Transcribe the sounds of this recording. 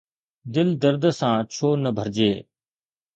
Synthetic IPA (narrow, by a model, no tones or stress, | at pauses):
d̪ɪld̪əɾd̪sãːt͡ʃʰoːnəbʱəɾd͡ʑeː